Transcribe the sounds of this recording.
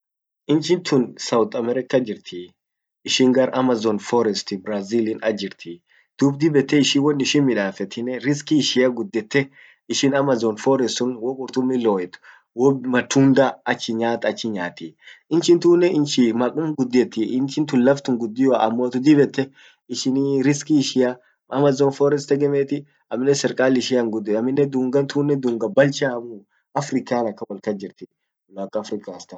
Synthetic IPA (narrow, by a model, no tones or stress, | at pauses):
ʔɪnt͡ʃɪnt̪ʰʊnsɐwt̪ʼɐmɛɾɛkːɐd͡ʒɪɾt̪ʰi | ɪʃɪŋɡɐɾʔɐmɐzɔnfɔɾɛst̪ɪbɾazilɪnɐd͡ʒɪɾt̪ʰi | d̪̥uːbd̪ɪbɛt̪ːɛɪʃɪwɔnːɪʃɪnmɪᶑaːfɛt̪ʰːɪnɛɾɪskɪʃɪjɐɡʊd̪ːɛt̪ːɛ | ɪʃɪnɐmɐzɔnfɔɾɛst̪ʊnwɔkʼʊɾt̪ʊmːɪloːjɛt̪ʊ̥ | wɔmɐt̪ːuːnd̪aɐt͡ʃːɪɲaːt̪ɐt͡ʃːɪɲaːt̪iɪnt͡ʃɪnt̪uːnːɛɪnt͡ʃɪmɐkʼʊmɡʊd̪ːɪɛt̪ːɪɪnt͡ʃɪnt̪ʊlːɐft̪ʊŋɡʊd̪ːɪjwaʔɐmːoːt̪ʊd̪ɪbɛt̪ːɛ | ɪʃɪniɾɪskiɪʃɪja | ʔɐmɐzoːnfɔːɾɛst̪ɛɡɛmeːt̪ɪ | ɐmɪnːɛsɛɾkʼaːlɪʃɪjɐŋɡʊd̪ːɪɐmːɪnːɛd̪uŋɡɐnt̪ʰuːnːɛd̪uŋɡɐbɐlt͡ʃaːmu | ɐfɾɪkaːnɐkːɐwɔlkɐd͡ʒɪɾt̪ɪ | lakːɐːfɾɪkaːst̪ɐn